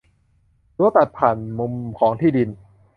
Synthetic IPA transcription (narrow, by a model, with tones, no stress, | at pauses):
luː˧˥t̪a˨˩t̪̚pʰaː˨˩nmo˧mkʰɔː˩˦ŋt̪ʰiː˥˩di˧n